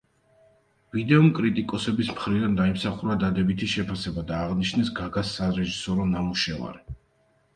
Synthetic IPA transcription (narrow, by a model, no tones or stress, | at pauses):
vid̪ɛɔmkʼɾit̪ʼikʼɔsɛbismχɾid̪and̪aimsaχuɾad̪ad̪ɛbit̪ʰiʃɛpʰasɛbad̪aːʁniʃnɛsɡaɡasaɾɛʒisɔɾɔnamuʃɛva̰ɾi